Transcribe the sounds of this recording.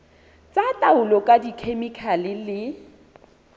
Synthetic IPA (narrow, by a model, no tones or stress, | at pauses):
t͡sʼatʼaʊlɔkʼadikʰemikʰalɪlɪ